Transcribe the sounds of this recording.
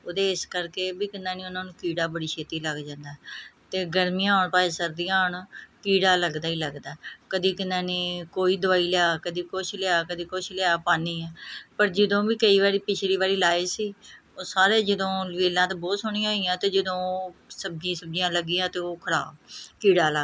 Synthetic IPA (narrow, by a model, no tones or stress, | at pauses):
oːd̪eːɪskəɾkeːbiːkɪnd̪ãːnẽːʊnãːnũːkiːɽaːbəɽiːt͡ʃʰeːt̪iːləɡd͡ʒãːnd̪aːɦɛt̪eːɡəɾmɪjãːʊɳpaːesəɾd̪ijãːɦʊɳkiːɽaːləɡd̪aːiːləɡd̪aːkəd̪iːkɪnãːneːkoːiːd̪ʊʋaːiːljaːkəd̪iːkʊʃʰlɪaːkəd̪iːkʊt͡ʃʰlɪaːpaːniːɛːpəɾd͡ʒəd̪õːbiːkəiːβaːɾiːpɪt͡ʃʰliːbaːɾiːlaːsiː | oːsaːɾeːd͡ʒəd̪õːlʋeːlãːt̪eːboːsʊɳĩãːiːãːt̪eːd͡ʒəd̪õːsəbd͡ʒĩːsəbd͡ʒjãːləɡːiːãːt̪eːoːkʰəɾa̰ːbkiːɽaːləɡ